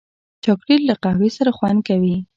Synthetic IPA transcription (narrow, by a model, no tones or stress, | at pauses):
t͡ʃakɾilːaqahwesaɾaxwand̪̚kawi